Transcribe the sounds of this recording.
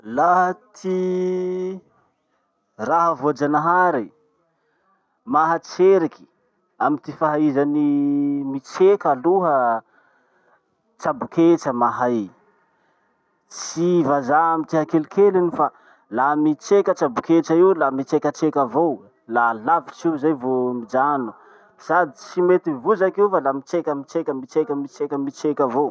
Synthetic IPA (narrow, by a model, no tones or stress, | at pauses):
laɦt̪ʰi | raɦəvoad͡ʒanaɦaɾi | maɦət͡seɾiki̥ | amit̪ifaɦaizanimit͡sekaluɦə | t͡ʃabuket͡ʃəmaɦaj | t͡sivazaamit̪iɦakelikʰelinifa | lamit͡ʃekʲət͡ʃabuket͡ʃaiwlamit͡sekət͡ʃekəvow | lalavit͡ʃiwzajvomid͡ʒanu̥ | sad̪it͡simet̪ivuzakiwfalamit͡ʃekʲəmit͡ʃekʲəmit͡sekəmit͡sekəmit͡sekavow